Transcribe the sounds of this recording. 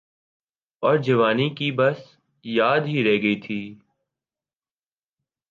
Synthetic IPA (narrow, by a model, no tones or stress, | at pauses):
ɔːɾd͡ʒɐʋaːnikibɐs | jaːd̪ɦiɾɛɦɡəit̪ʰiː